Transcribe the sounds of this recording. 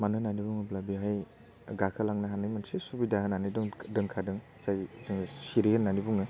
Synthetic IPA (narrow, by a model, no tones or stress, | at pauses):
manɯnanibuŋɯblabiɦaj | ɡakʰalaŋnaɦanɯjmansesubidaɦɯnanɯjdɔŋdɯŋkʰadɯŋ | zajzɯŋsiɾihɯnːanibuŋɯ